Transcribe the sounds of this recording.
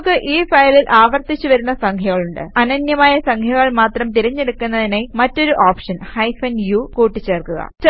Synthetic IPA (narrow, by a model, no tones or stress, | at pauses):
kːɨʔiːfɐjlilʔaːʋɐrt̪it͡ɕːuʋɐɾunːɐsɐŋkʰɐɣɐɭuɳɖɨ̰ɐnɐnjɐmaːjɐsɐŋkʰɐɣɐɭmaːt̪rɐmt̪iɾɐɲːe̞ɽukːunːɐðinemɐtːo̞ɾuʔaːpʂɐnhɐjfɐnjukuːʈːit͡ɕːe̞ːrkuɣɐ̰t͡ɕɐ